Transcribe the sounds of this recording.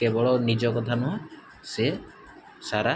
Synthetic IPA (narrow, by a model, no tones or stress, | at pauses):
kebɔɭɔnid͡ʒɔkɔt̪ʰanɔɦɔ̃ | se | saɾa